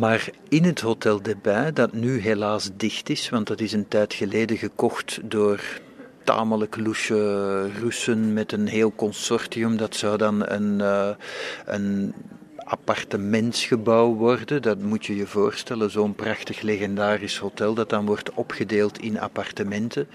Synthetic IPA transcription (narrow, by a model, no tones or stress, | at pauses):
maːr | ɪnɦətɦotɛlˠdepɛːdɑtnyɦelaːzdɪxtɪsʋɑntdɑtɪsəntɛjtxəleːdəɣəkɔxtdoːr | ta̰ːmələkluʃərʉsənmɛtənɦeːlˠkɔnsɔrtiɵmdɑtsɑwdɑnə̰n | ə̰n | ʔa̰pɑrtəmɛntsxəbɑwʋɔrdəndɑtmutjəjəvoːrstɛləzoːənprɑxtəxleɣɛndaːrɪshotɛlˠdɑt̚dɑnʋɔrtɔpxədeːlˠtʰɪnɑ̰pɑrtəmɛntə